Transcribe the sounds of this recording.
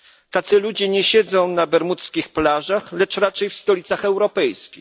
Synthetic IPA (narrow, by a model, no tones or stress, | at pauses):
t̪at̪sɘlud͡ʑɛɲɛɕɛd̪zɔ̃w̃nabɛɾmut̪skʲixplaʐaxlɛt͡ʂɾat͡ʂɛjfst̪ɔlʲit̪saxɛwɾɔpɛjskʲi